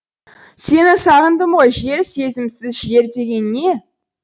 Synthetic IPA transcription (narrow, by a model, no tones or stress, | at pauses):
se̞nɪsɑʁənd̪əmʁo̞jʒe̞ɾse̞zɪmsɪzʒe̞ɾd̪e̞ɡʲe̞nːe̞